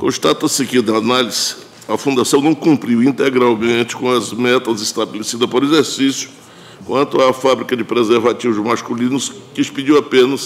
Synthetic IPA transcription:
kõ̰st̪at̪ɐsɪkɪd̪ɐːnaliz̥ | ɐfũd̪asɐ̃w̃nɐ̃w̃kũmpɾiwĩnt̪eɡɾawmẽt͡ʃɪ̥kõɐzmɛt̪ɐzɪst̪abelesid̪ɐspoɾezeɾsisjʊ̥ | kwɐ̃nt̪ʊafabɾikɐd͡ʒɪpɾezeɾvat͡ʃivʊzmaskulĩnʊskɪspid͡ʒiwapẽnɐs

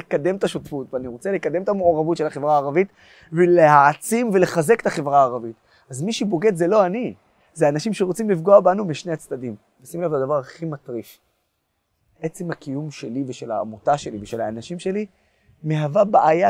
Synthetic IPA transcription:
ekad̪e̞mt̪aʃotfutveaniʁot͡sele̞kad̪e̞mt̪amooʁavutʃelaχe̞vʁaːʁavit | velehaat͡simve̞le̞χaze̞ke̥t̪aχe̞vʁaːʁavit̪ | azmiʃibo̞ɡe̞d̪ze̞lo̞ani | zeanaʃimʃeʁot͡simlifɡo̞abanumiʃne̞jat͡stad̪im | vesimelavad̪avaʁaχimat̪ʁiʃ | ʔe̞t͡semhakijumʃe̞liveʃe̞la̰ːmotaʃe̞liveʃelaːnaʃimʃe̞li | me̞ɦavabaʔaja

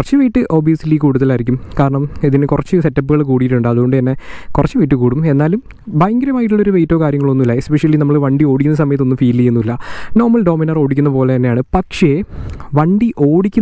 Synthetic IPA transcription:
rɐt͡ɕːɨʋijːʈːɨʔo̞ːbiɐsiliːkuːɽuðɐlaːiɾikʲːumkaːɾɐɳɐmiðinkurɐt͡ɕːɨse̞tːɐpːɨɣɐɭkuːɽijiʈːuɳɖɨɐðuɣo̞ɳɖɨenːe̞kurɐt͡ɕːɨʋijiʈ̬ːɨkuːɽume̞nːaːlum | bajŋɡɐɾɐmaːjʈ̬ːuɭːo̞ɾuʋejtːo̞kaːɾjɐŋːɐɭo̞nːumilːɐespeʂɐlːinɐmːɐɭʋɐɳɖio̞ːɽikʲːunːɐs̬ɐmɐjɐt̪̬ːoːumfiːlijunːuilːɐno̞ːrmɐlɖo̞ːminɐro̞ːɽikʲːunːɐpo̞ːle̞t̪ɐnːe̞jaːɳɨpɐkʂe̞ʋɐɳɖiʔo̞ːɽikʲːun

